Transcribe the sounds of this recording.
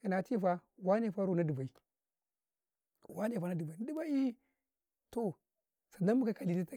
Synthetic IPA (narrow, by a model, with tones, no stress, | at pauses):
i˨na˨ti˦fa˦wa˦ne˦˨a˦ɾu˦˨na˦du˨ba˨i˨ | wa˦ne˦˨fa˨˦na˦di˨ba˨i˨na˦di˦ba˦i˦ | to˨ | sa˨na˦mu˦ka˦ka˨li˦ti˦ta˦